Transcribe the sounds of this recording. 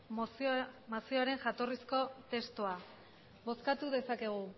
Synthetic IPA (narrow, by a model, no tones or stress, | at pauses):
masio̞aɾe̞ŋʝat̪o̞risko̞t̪e̞st̪oa | βo̞skat̪uðe̞sake̞ɣ̞u